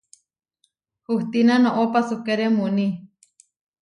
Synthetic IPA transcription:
huht̪inanoʔopasukeɾemuni

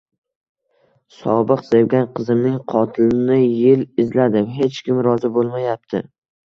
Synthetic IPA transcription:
sɒ̰bɨqsewɡʲanqʰɨzɪmnɪŋqʰɒt̪ʰɪlɪnɪjɪlɪzlad̪ɪɦe̞t͡ʃkʲɪmɾɒzɪbolˠmajap̚t̪ʰɪ̰

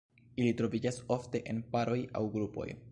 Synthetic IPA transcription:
ilitɾo̞vid͡ʒaso̞fte̞ʔe̞npaɾo̞ja̰wɡɾupo̞̰j

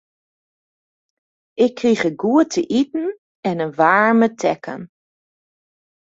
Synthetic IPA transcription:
ʔɪkʰːriχəɡuətʰəʔitn̩ | ɛnənʋaːɹmətʰɛkʰə̰n

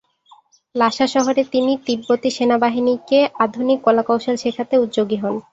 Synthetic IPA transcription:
laʃaʃɔɦoɾet̪init̪ibːot̪iʃenabaɦinikead̪ʱunikːɔlakawʃelʃekʰat̪eut̪d͡ʑoɡiɦɔn

